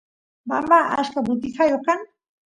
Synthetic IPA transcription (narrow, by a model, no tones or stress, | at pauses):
bambaʔa̰ʃkabʊt̪ɪxajokan